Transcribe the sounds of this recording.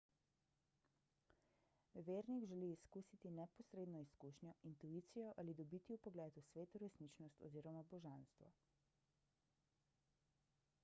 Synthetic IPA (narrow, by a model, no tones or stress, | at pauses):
ʋeːɾniɡʒɛliːskusit̪inɛpɔsɾeːd̪nɔiskuːʃnjɔʔint̪uiːt̪sijɔʔalid̪ɔbiːt̪iupɔɡlɛːt̪usʋeːt̪uɾɛsnit͡ʃnɔst̪ɔ̰ziːɾɔmabɔʒanst̪ʋɔ̰